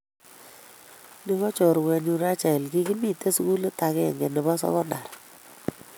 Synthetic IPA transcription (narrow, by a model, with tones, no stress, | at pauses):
nɪ˦ɣɔ˦t͡ʃɔ˨ɾwɛ˨ɲu˨ɾa˦t͡ʃɛ˨lɡi˦ki˦mi˦˨te˦su˨ku˦lta˨kɛ̰˦˨ŋɡɛ˨nɪ˨ba˦sɔ̰˦ɣɔ˦nda˨ɾ